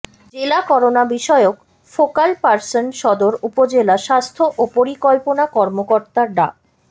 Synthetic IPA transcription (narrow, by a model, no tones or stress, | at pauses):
d͡ʑelakɔɾonabiʃɔeok | fokalpaɾsonʃɔd̪oɾupod͡ʑelaʃast̪ʰoʔopoɾikɔlponakɔɾmokoɾt̪aɾɖa